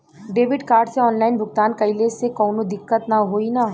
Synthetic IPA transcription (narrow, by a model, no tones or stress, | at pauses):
ɖeːʋɪɖkaːɾɖseɔːnlaːɪnbʱʊɡt̪aːnkɐɪlesekɔːnõd̪ɪkːət̪naɦoːinaː